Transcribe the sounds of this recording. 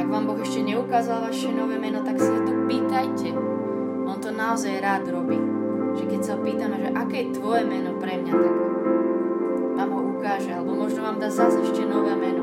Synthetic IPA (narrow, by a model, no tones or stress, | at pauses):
aɡʋaːmbɔɣɛʃcɛɲɛukaːzalʋaʃɛnɔʋɛːmɛnɔt̪aksaɦɔt̪ɔpiːt̪ajcɛ | ʔɔnt̪ɔnaɔzajɾaːd̪ɾɔbiː | ʒ̥ɛkɛcsaɦɔpiːt̪amɛʒɛʔakɛːjɛt̪ʋɔjɛmɛnɔpɾɛmɲat̪aɡ | ʋaːmɦɔukaːʒɛalɛbɔmʊɔʒnuʋaːmd̪azazɛʃcɛnɔʋɛːmɛnɔ